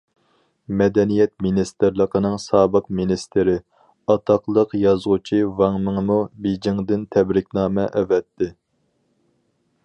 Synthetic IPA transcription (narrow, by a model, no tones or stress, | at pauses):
mɛd̪ɛnijɛt̪̚minist̪ɨɾlˠəqʰənɨŋsɑːbəqminist̪ɪɾɪ | ɑt̪ʰɑqlˠəqjɑzʁʊt͡ʃʰivɑŋmɨŋmubed͡ʒiŋd̪ɪnt̪ʰɛbɾɪkʲnɑːmɛʔɛvɛt̪ʰːɪ